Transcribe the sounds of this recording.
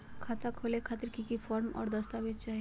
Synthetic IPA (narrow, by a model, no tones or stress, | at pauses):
kʰat̪akʰolekʰat̪eɾkikifʰɔɾmɔ̰ːɾd̪əst̪abit̪̚t͡ʃaɦi